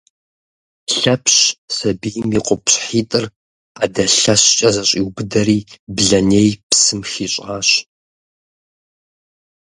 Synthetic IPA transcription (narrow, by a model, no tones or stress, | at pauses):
ɬɐpʰɕsɐbijmiqʷʼʊpɕħiːtʼɨr | aːdɐɬɐɕt͡ʃʼɐzɐɕʼiwbɨdɐɾiːbɮɐneːjpsɨmxiːɕʼaːɕ